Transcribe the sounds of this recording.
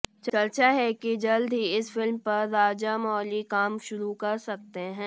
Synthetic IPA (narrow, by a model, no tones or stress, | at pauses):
t͡ʃɐlt͡ʃaɦɛkid͡ʒɐld̪ʱɦiɪsfɪlmpɐɾːaːd͡ʒamɔːlikaːmʃʊɾukɐɾsɐk̚t̪eɦɛ̃ː